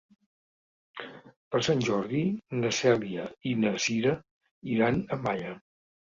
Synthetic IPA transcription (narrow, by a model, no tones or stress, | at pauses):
pəɾsanʲʒɔɾðinəsɛliəinəziɾə | iɾanəmaʎə